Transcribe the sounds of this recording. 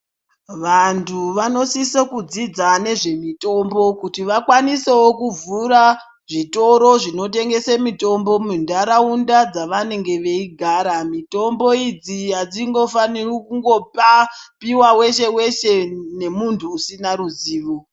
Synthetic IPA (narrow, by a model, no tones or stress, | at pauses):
ʋantʰuʋano̞sisokud͡zid͡zane̞ʐe̞mito̞mbo̞kutiʋakwaniseokuvuɾa | ʐito̞ɾo̞ʐino̞te̞ŋɡe̞semito̞mbo̞mundaɾaundad͡zaʋane̞ŋɡe̞ʋe̞iɡʱaːɾamito̞mbo̞id͡zijad͡ziŋɡo̞fanirokuŋɡo̞papiwawe̞ʃe̞we̞ʃe̞ne̞muntʰuːsinaɾuziːʋo